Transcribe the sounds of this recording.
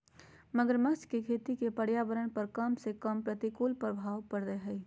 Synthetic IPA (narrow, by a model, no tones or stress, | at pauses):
məɡəɾməkt͡ʃkekʰeːt̪ikepəɽjaːbəɾəɽ̃pəɾkɐmsekɐmpɾət̪ikoːlpɐɾbʱaːwpəɽɾəeɦɛi